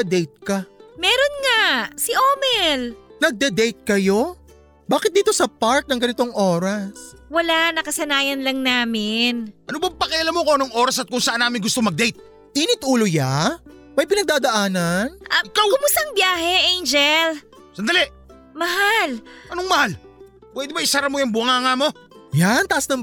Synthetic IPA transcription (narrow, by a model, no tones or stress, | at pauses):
d̪ɛjt̪̚kɐmɛːɾo̞nŋasiʔoːmɛlnɐɡ̚d̪ɛd̪ɛjt̪̚kɐjo̞ | baːkɪt̪̚d̪iːt̪o̞sɐpaɹt̪̚nɐŋɡɐnɪt̪o̞ŋʔo̞ːɾɐswɐlanɐkɐsɐnaːjɐnlɐŋnaːmɪnʔɐnobɐŋpɐkɛʔɐlamokoɐnoŋʔo̞ːɾɐsɐt̪̚kʊŋsɐʔanːaːmɪnɡʊst̪omɐɡ̚d̪ɛjt̪̚ | ʔiːnɪt̪̚ʔuːloja | mɐjpɪnɐɡ̪̚aːd̪ɐʔaːnɐnʔɪkawkʊmʊst̪ɐɐŋbjaːɦɛʔejnd͡ʒɛl | sɐnd̪ɐlɛʔ | mɐɦalʔɐnoŋmɐhal | pwɛd̪ɛbɐɪsɐɾɐmojɐŋbʊŋaːŋamo̞ | jant̪ɐʔɐsnɐŋ